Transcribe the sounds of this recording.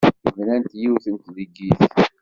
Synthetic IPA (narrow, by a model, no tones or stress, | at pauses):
vənænt̪jiwθənt̪ðiɡiθ